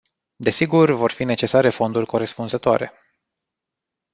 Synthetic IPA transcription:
d̪e̞siɡurvo̞rfine̞t͡ʃe̞saɾe̞fo̞nd̪urʲko̞ɾe̞spunzət̪oa̰ɾe̞̰

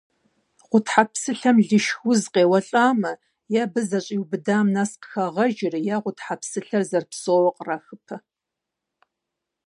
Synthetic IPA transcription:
ʁʷʊtħapsɨɬɐmɮɨʃxʊzqeːwɐɬʼaːmɐ | jaːbɨzɐɕʼiːwbɨdaːmnasqə̥xɐʁɐʒɪrjaːʁʷʊtħapsɨɬɐrzɐrpsoːwɐqʼraxɨpʰɐ

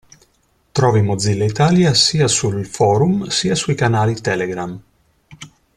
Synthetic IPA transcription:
t̪ɾɔːvimod̪zilːeit̪aːljasiːasulfɔːɾumsiːasuikanaːlit̪ɛleɡɾam

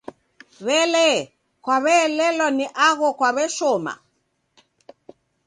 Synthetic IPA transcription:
βɛlɛ | kwaβɛːlɛlɔniʔaɣɔkwaβɛʃɔma̰

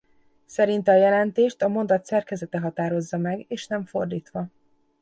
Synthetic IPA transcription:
sɛɾint̪ɛɒjɛlɛnt̪eːʃt̪ɒmo̞nd̪ɒt̪sɛrkɛzɛt̪ɛɦɒt̪aːɾo̞zːɒmɛɡeːʃnɛɱfo̞rd̪iːt̪ʋɒ

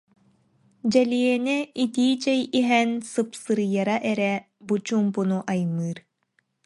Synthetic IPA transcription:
d͡ʑɛliɛnɛit̪iːt͡ɕɛjiɦɛnsɯpsɯɾɯjaɾaʔɛɾɛ | but͡ɕuːmpunuʔajmɯːɾ

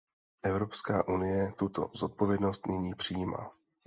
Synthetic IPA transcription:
ʔɛvɾo̞pskaːʔunɪjɛt̪ut̪o̞̰zo̞t̪̚po̞vjɛdno̞st̪nɪɲiːpr̥ijiːma̰ː

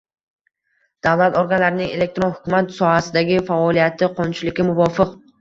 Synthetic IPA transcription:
d̪̥avlˠat̪ɒɾɡanlaɾɪnɪŋe̞le̞k̚t̪ɾonhʊkʰʲʊmat̪sɒhasɪd̪aɡʲɪfaɒlijat̪ʰɪqʰɒnt͡ʃʰɪlɪkʲːamʊvɒfɪq

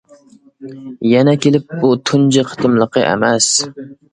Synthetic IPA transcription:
jɛnɛkʲelɪp̚but̪ʰund͡ʒɪqʰə̥t̪ʰɨmlˠəqʰəʔḛmæs

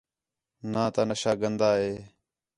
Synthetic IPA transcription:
nãːt̪aːnəʃaːɡənd̪aːɦeː

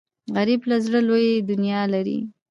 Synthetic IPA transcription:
ɣaɾiblazɽəlojed̪ʊnjɑlaɾḭ

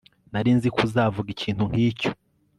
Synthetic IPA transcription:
naɾiːnzikuzaːvuɡiciːn̥huŋ̥hiːco̥

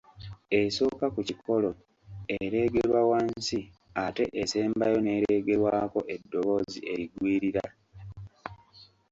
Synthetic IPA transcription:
e̞so̞ːkakuciko̞lo | eɾe̞ːɡe̞ɾwawansi | ate̞ʔese̞ːmbajo̞ne̞ːɾeɡe̞ɾwaːko̞ʔe̞dːo̞βo̞ːziʔe̞ɾiɡwiːɾiɾa

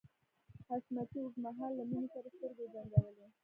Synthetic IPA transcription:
hasmat̪iʊɡmaɦɑlːaminisaɾast̪əɾɡebanɡ̪awəle

